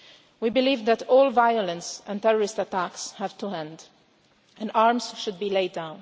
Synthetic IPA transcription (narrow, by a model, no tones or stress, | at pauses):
wibɪliːvðætʰɔːlˠvajʊlə̃nsɛ̃nt̪ɛɹɔɹɪstatækshæv̥tuɦɛ̃nd | ɛ̃naɹmz̥ʃʊd̪̚biːleɪddãʊ̃n